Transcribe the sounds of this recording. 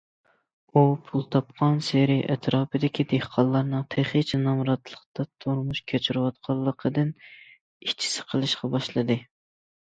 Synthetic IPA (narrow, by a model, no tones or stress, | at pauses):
upʰulˠt̪ʰɑp̚qʰɑnseɾiʔɛt̪ʰɾɑːpɨd̪ɪkʲʰid̪ehqʰɑlˠːɑɾnɨŋt̪ʰeχet͡ʃʰɛnɑmɾɑt̪ʰlˠəqt̪ɑt̪ʰoɾmuʃkʲʰøt͡ʃʰiɾɨwɑt̪̚qʰɑlˠːəqʰəd̪ɨn | iʃt͡ʃʰi̥sɪ̥qʰəlˠɨʃqɑbɑʃlˠɨd̪ɨ